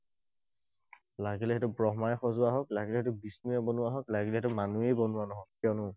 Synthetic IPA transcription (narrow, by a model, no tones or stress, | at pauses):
laɡilɛɦɛtʊbɹɔɦmajxɔzʊaɦɔklaɡilɛhɛtʊbisnujabɔnʊaɦɔklaɡilɛhɛtʊmanuejbɔnʊwanɔɦɔk̚ːjɔnʊ